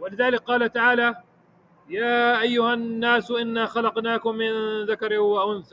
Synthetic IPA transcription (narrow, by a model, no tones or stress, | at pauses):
walɪðaːlɪk̚qɑːlat̪aʕaːla | jaːʔajːʊhanːaːsʔɪnːaxɑlɑqnaːkʊmːɪnðakɑɾwaʔʊnθa